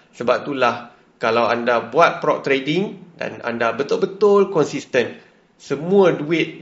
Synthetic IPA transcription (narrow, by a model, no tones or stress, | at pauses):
səbap̚t̪ulah | kalawandabuat̪̚pɾɔp̚t̪ɾediŋda̰na̰ndabət̪ʊlbət̪ʊlkɔnsist̪ən | səmũə̃duɪt̪̚